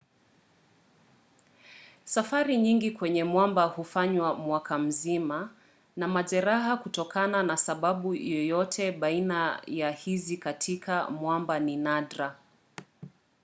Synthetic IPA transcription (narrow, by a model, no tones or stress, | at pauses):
safaɾiɲiŋɡikwɛɲɛmwambahufaɲwamwakam̩zima | namaʄɛɾaɦakutɔkʰananasaɓaɓujɔjɔtʰɛɓainajahizikatʰikʰamwambaninadɾa